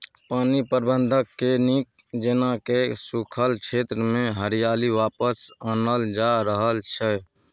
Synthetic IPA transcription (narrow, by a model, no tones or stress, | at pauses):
paːnipəɾbənd̪ʱəkːenik̚ | d͡ʒenakesukʰəlkt͡ʃʰet̪ɾəmẽɦəɾijaːliʋaːpəsanəld͡ʒaɾəɦəlt͡ʃʰɛ